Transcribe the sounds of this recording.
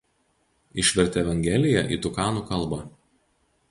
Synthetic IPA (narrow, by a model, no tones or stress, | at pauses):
ɪʃʲʋʲɛɾʲt̪ʲɛɛʋʲɐŋʲɡʲɛlʲɪjɛ̰ʔḭːt̪ʊkɑːnuːkɐlˠˑbɐ